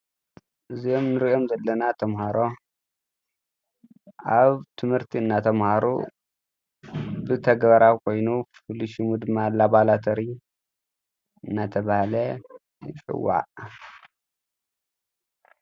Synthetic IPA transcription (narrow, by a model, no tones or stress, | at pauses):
ʔɨzio̞mnɨɾio̞mzɐlːɐnat̪ʰɐmhaɾo̞ | ʔaβt̪ʰɨmhɨɾt̪ʰiɨnːat̪ʰɐmhaɾṵ | bɨt̪ʰɐɡβɐɾawkʰo̞jnufɨliʃumud̪ɨmːalaβalat̪ʰɐɾi | ɨnːat̪ʰɐβahlɐ | t͡ʃʼɪ̰wːa̰ʔ